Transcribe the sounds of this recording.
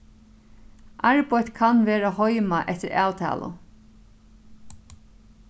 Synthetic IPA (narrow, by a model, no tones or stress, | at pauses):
ʔaɹpɔjt̪kʰanʋeːɾahɔjmaʔɛt̪ɪɾæ̰ːwt̪ʰɛ̰ːlʊ̰